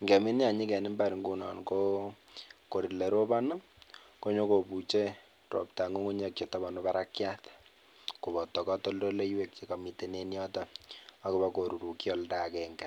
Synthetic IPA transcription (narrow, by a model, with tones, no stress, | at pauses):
ŋɡɛ˨mi˦nja˨ɲi˦kɛ˨nɪ˦mba˦ɾi˨ŋɡu˦nɔ̰˨nko˦ | ko˨ɾi˨le˨ɾo˦ba˦na˦ko˦ɲo˦ko˨pu˨t͡ʃe˦ | ɾo̰˨p̚ta˨ŋu˦ŋu˦ɲa˦k̚t͡ʃɔ˨ta˦ba˨no˦ba˦ɾa˦kja˦t | ku˨βɔ˨tɔ˨kɔ˦to˦ldo˦le˦we˨k̚t͡ʃe˨ka˨mi˨te˨ne˦njɔ˦taa˦ku˦βa˦ko˨ɾu˨ɾu˨kjɔ˦lda˨kɛ˨ŋɡɛ˨